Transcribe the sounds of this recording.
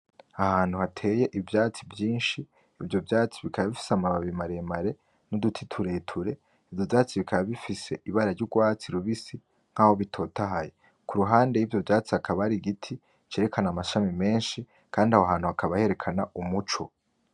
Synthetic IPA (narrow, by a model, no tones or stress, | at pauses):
ahaːn̥huhatʰe̞ːje̞ʔivjaːt͡sivjiːnʃiː | vjo̞vjaːt͡siβikaβaβifi̥seamaβaβimaɾemaɾe̞ | nudutʰitʰuɾe̞ːtʰuɾe̞ | ivjovjaːt͡siβikaβaβifise̞iβaɾaɾɟuɡwaːt͡siɾuβisi | ŋ̥haːho̞βitʰo̞ːtaɦaje | kʰuɾuɦaːnde̞jivjo̞vjaːt͡siakʰaβaɾiɡitʰi | t͡ʃe̞ːɾekʰanamaʃamime̞ːnʃi | kʰaːndiahoɦaːn̥huhakʰaβahe̞ɾe̞kʰanaʔumut͡ʃo